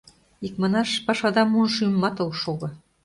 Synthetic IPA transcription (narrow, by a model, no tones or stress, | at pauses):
ikmɑnɑʃpɑʃɑd̪ɑmunʃymːɑt̪ŏlʃoɣɤ̆